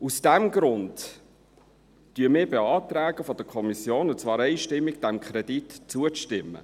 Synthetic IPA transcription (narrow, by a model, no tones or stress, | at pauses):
usd̥æmɡɾʊnd | tyːəmɪːbeɑːt̪ɾæːɡəfɔd̥əkʰɔmisjoːnʊt͡svɑːɾɛɪʃtɪmːɪɡ̚d̥æmkʰɾɛditt͡suəstɪmːə̰